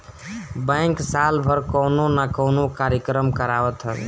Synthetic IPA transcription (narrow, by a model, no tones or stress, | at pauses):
bə̃ŋksalbʱəɾkəwnonakəwnokaɾjəkɾəmkəɾaʋət̪ɦəb̰